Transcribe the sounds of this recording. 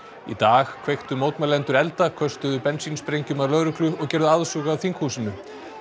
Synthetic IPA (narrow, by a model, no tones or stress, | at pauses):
ḭt̪aːxkʰvejxt̪ʏmoːwt̪malɛnt̪ʏɾɛlt̪akʰœst̪ʏðʏpɛnsinspɾejɲcʏmalœɾʏklʏɔɣcɛɾðʏaðsuɣaðθiŋkhuːsɪnʏ